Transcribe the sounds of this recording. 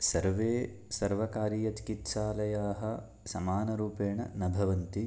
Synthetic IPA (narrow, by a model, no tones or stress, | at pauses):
sɐɾʋeː | sɐɾʋɐkaːɾiːjɐt͡ʃi̥kit̪ʃaːlɐjaːɦɐ | sɐmaːnɐɾuːpeːɳɐ̰nɐbʱɐʋɐnt̪i